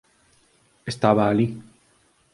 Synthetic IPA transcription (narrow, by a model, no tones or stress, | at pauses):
est̪aβaːli